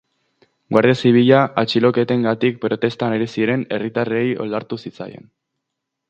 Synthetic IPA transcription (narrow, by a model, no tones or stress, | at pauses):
ɡwaɾðeasiβ̞iʎaʔat͡ʃilo̞ke̞t̪e̞ŋɡat̪ik̚pɾo̞t̪e̞st̪aneɾisiɾe̞ne̞rit̪arejo̞̰ld̪aɾt̪usit͡sa̰je̞̰n